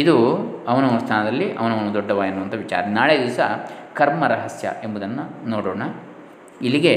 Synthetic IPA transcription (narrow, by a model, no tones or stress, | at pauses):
id̪uɐʋɐnɐʋnst̪ʰaːnɐd̪ɐlːiʔɐ̰ʋɐnɐʋɐnud̪ɔɖːɐʋaːɡinːuʋɐnt̪ʰɐʋit͡ʃa̰ːɾɐnaːɭed̪iːʋɐsɐkɐɾmɐɾɐɦɐsjɐ̰ʔe̞mbud̪ɐnːɐnoːɽɔːɳɐ | iliɡe̞